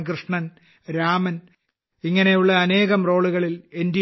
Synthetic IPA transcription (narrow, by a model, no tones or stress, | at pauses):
krɨʂɳɐn | ɾaːmɐn | iŋːɐne̞juɭːɐːne̞ːɣɐmro̞ːɭuɣɐɭile̞ndi